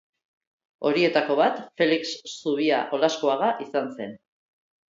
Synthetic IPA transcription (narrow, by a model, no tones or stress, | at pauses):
o̞ɾie̞t̪ako̞βat̪fe̞liksːuβ̞iaʔo̞laskoaɣaʔisanse̞n